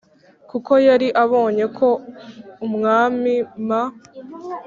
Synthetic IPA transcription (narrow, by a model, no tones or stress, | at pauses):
kuko̞jaɾiʔaβo̞ːɲe̞kʰo̞umŋaːmima